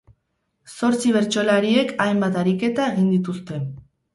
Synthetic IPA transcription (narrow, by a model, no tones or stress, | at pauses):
so̞ɾt͡siβ̞e̞ɾt͡ʃo̞laɾie̞kajmbat̪aɾike̞t̪ae̞ɣind̪it̪ust̪e̞n